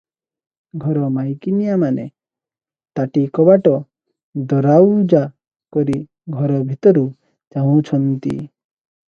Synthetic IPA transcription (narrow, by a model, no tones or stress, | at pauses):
ɡʱɔɾɔmajkinijamane | t̪aʈikɔbaʈɔ | d̪ɔɾawd͡ʒa | kɔɾi | ɡʱɔɾɔbʱit̪ɔɾu | t͡ʃaũt͡ʃʰɔnt̪ḭ